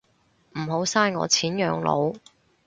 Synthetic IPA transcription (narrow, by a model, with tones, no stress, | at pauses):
m̩˨˩ɦo˨˥wsaː˥nŋɔ̰ː˨˧t͡sʰiː˨˥njœ̰ː˨˧ŋlo̰˨˧w